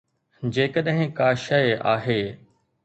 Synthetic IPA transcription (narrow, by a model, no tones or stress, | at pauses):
d͡ʑeːkəɗɦɪ̃kaːʃɐja̰ːɦeː